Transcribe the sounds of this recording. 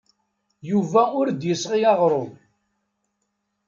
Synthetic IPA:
juvæʊɾd̪jəsʁiɑʁɾˤʊn

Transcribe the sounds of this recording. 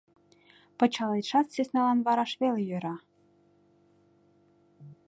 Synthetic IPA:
pɤ̆t͡ɕɑlet̪ʃɑt̪sesnɑlɑnβɑɾɑʃβelejøɾɑ

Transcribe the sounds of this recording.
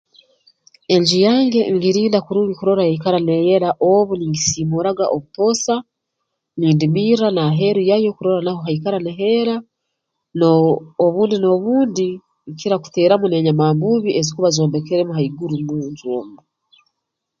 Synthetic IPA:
e̞ɲd͡ʒijaːŋɡe̞ŋɡiɾiːndakuɾuːŋɡikuɾo̞ɾahaikaɾaneje̞ɾaʔoβuniŋɡisimuɾaɡaʔo̞βuto̞sa | niːndimiːɾanaɦe̞ɾujajo̞kuɾo̞ɾanaho̞ɦaikaɾaneɦe̞ɾa | noːβuːndino̞βuːndi | ŋkiɾaku̥te̞ːɾamune̞ɲamaːmbuβie̞zikuβazo̞ːmbe̞keɾemuɦaiɡuɾumuɲzoːmbu

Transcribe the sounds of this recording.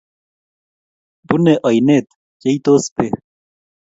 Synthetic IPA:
buneʔʌjnet̪ | d͡ʑɐit̪oːspe

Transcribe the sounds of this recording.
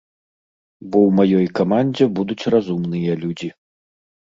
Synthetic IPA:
bɔwmajɔjkamanʲd͡zʲɛbud̪ut͡sʲrazumnɨjɐlʲud͡zʲi

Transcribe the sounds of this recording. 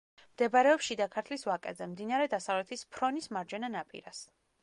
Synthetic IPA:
md̪̥ɛbaɾɛɔpʃid̪akʰaɾt̪ʰlisvakʼɛzɛmd̪inaɾɛd̪asavlɛt̪ʰispʰɾɔnismaɾd͡ʒɛnanapʼḭɾas

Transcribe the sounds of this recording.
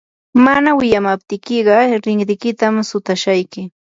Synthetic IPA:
manawɪjamap̚t̪ɪkɪɢɑɾɪŋɾɪkɪt̪amsʊt̪aʃajkɪ

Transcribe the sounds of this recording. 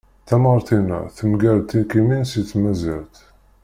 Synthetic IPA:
θæmɑɾˤt̪inə̰θəmɡæɾt̪ːikiminsiθmæziɾt̪

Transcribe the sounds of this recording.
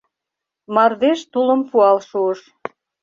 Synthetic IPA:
mɑrd̪eʃt̪uləmpuɑlʃuəʃ

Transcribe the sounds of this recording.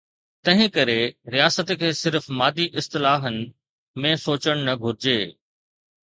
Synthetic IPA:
t̪ɐ̃ɦɪ̃kɐɾeɾijaːsət̪kʰeːsɪɾfmaːd̪iʔɪst̪ɪlaːɦənɪ̆ | mẽsoːt͡ɕəɽ̃nɐɡʱʊɾɪd͡ʑeː

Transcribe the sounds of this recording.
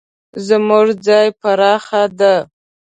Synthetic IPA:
zmʊʐd͡zɑjpaɾɑxad̪a

